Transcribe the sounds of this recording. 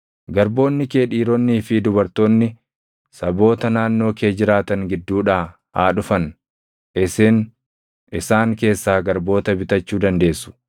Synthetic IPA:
ɡɐɾbo̞ːnːɪkeːᶑiːɾɔnːiːfɪd̪ʊbɐɾt̪o̞ːnːɪ | sɐbo̞ːt̪ɐnaːnːo̞ːke̞ːd͡ʒɪɾaːt̪ɐŋɡɪd̪ːuːᶑaː | ha̰ːᶑʊfɐn | ɪseːn | ɪsaːŋke̞ːsːaːɡɐɾbo̞ːt̪ɐbɪt̪ɐt͡ʃːuːd̪ɐnd̪e̞ːsːʊ̥

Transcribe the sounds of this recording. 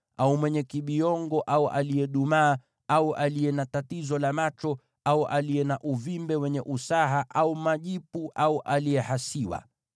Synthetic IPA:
aumwɛɲɛkiɓiɔŋɡɔʔauʔalijɛɗumaː | auʔalijɛnatatizɔlamat͡ʃɔ | auʔalijɛnaʔuvimbɛwɛɲɛʔusaɦaʔaumaʄipuʔauʔalijɛhasiwa̰

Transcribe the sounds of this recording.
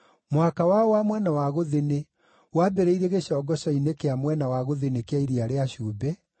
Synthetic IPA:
mwakawaɔwamwɛnawaɣoðene | waːbɛɾeiɾeɣeɕɔːɡɔɕɔinekeamwɛnawaɣoðenekeaiɾiaɾeaɕuːbɛ

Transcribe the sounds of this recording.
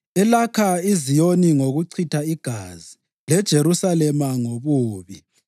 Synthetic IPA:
ɛlakʰaizijoniŋoɣuǀʰitʰaiɡ̥ʱazi | lɛd̥ʒ̥ʱeɾusalɛmaŋoβuːβi

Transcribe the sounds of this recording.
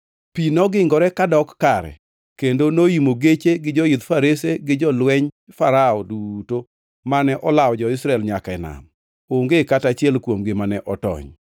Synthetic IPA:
pinɔɡɪŋɡɔɾɛkadɔkːaɾɛ̰ | kendonoimoɡet͡ʃeɡɪd͡ʒɔid̪faɾeseɡɪd͡ʒɔlwɛɲfaɾaɔduto | manɛʔɔlawd͡ʒɔɪsɾaɛlɲakaɛna̰m | oŋɡekatat͡ʃɪɛlkwomɡemanɛʔɔtɔ̰ɲ

